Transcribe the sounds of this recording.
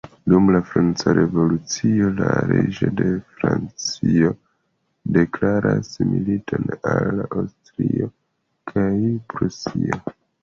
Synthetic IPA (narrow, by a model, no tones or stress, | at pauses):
dumlafɾant͡saɾʔe̞vo̞lut͡sio̞laɾed͡ʒo̞de̞fɾant͡sio̞ | de̞klaɾʔasmilitʰo̞nalːaawstɾio | kʰajpɾusio